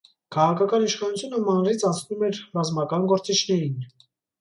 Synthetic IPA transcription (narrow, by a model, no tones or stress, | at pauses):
kʰɑʁɑkʰɑkɑniʃχɑnut͡sʰjunəmɑnɾit͡sʰɑnt͡sʰnumɛɾrɑzmɑkɑnɡɔɾt͡sit͡ʃʰnɛɾin